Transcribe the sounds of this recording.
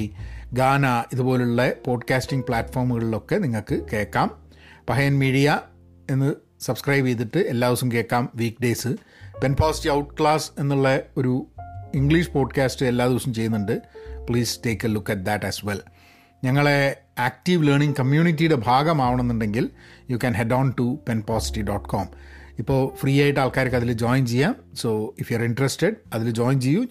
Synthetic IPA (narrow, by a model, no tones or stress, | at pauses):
ɡaːnaːiðubo̞ːluɭːɐpo̞ːɖkaːstiŋɡpɭaːtːfo̞ːrmuɣɐɭilo̞kːe̞niŋːɐɭkɨke̞ːkːaːm | pɐɦɐjɐnmiːɽijɐ | e̞nːɨ | sɐbskrɐjbejt̪̬ːiʈːɨe̞lːaːðʋɐsumke̞ːkːaːmʋiːkɖe̞ːsɨ | penpaːstiɐwʈkɭaːse̞nːuɭːɐo̞ɾuiŋɡɭiʂpo̞ːɖkaːstɨe̞lːaːðiʋɐsɐmt͡ɕe̞jːunːuɳɖɨpɭiːste̞ːkːɐlukːɐʈ̚d̪ɐʈːɐsʋel | ɲɐŋːɐɭe̞ | aːk̚ʈiʋleːɳiŋkɐmjuːɳitːijuɽe̞bʱaːɡɐmaːʋɐɳonːuɳɖe̞ŋɡiljukɐnɦeɖoːnʈupenpoːsi̥ʈːiɖoːʈkʰoːmipːo̞ːfriːjaːjiʈːɨaːɭkaːɾɐkːɐðild͡ʑoːjnt͡ɕejːaːmso̞ːifjuɐɾiɳɖresteɖɐðild͡ʑo̞ːjnt͡ɕejːu